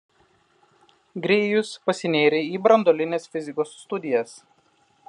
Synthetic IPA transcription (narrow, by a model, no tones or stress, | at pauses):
ɡɾʲeːjʊspɐsʲɪnʲeːɾʲɛiːbɾɐnd̪oːlʲɪnʲeːsfʲɪzʲɪkoːsːt̪ʊd̪ʲɪjɛs